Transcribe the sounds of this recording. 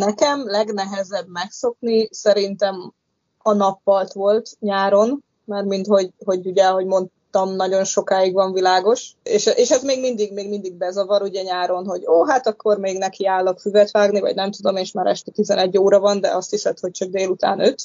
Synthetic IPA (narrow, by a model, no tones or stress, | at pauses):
nɛkɛmlɛɡnɛɦɛzɛbmɛkso̞knisɛɾint̪ɛm | ɒnɒpːɒlt̪ʋo̞lt̪ɲaːɾo̞n | maːrmint̪ho̞ɟɦo̞ɟuɟɛɦo̞ɟmon | t̪ɒmnɒɟo̞nʃo̞kaːjiɡʋɒɱvilaːɡo̞ʃeːʃɛʔeːʃɛzmeːɡmind̪iɡmeːɡmind̪iɡ̚bɛzɒvɒɾuɟɛɲaːɾo̞nɦo̞ɟoːɦat̪ɒkːo̞rmeːɡnɛkiaːlːɒkfyzɛt̪ʋaːɡnivɒ̰ɟnɛmt̪ud̪o̞meːʃmaːɾɛ̰ʃt̪ɛt̪izɛnɛɟːoːɾɒvɒnd̪ɛ̰ɒst̪hisɛt̪ho̞c̚t͡ʃɒk̚d̪eːlut̪a̰ːnøt̪